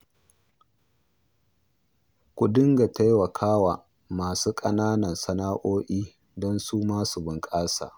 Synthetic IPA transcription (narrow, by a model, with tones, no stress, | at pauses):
kʷu˨dɪ˦ŋɡa˨ta˦jwɐ˨kʰaː˦waː˨ | maː˨suː˦kʼɐ˦naː˦nɐ˨nsɐ˦naː˦ʔoː˦ʔiː˦ | dɔ˦nsuː˦maː˦su˨bɪ˨ŋkʼaː˦sa̰ː˨ʔ